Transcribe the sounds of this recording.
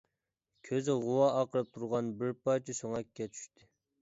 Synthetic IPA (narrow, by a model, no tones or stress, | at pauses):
kʲʰøzɪʁuwɑʔɑqəɾɨp̚t̪ʰuɾʁɑnbɪɾpɑjt͡ʃʰisoŋɛkʲːɛt͡ʃʰy̥ʃt̪ʰɪ